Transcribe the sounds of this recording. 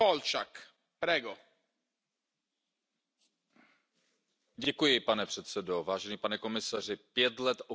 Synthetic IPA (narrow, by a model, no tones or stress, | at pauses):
olt͡ʃak | pɾɛɡo | ɟɛkujɪpanɛpr̝̥ɛt̪sɛdovaːʒɛniːpanɛko̞mɪsar̝ɪpjɛt̪lɛt̪ʔo